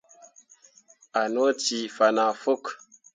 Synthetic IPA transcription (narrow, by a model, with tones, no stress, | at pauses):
a˨no˦ti˨fa˨na˨fo˦˨k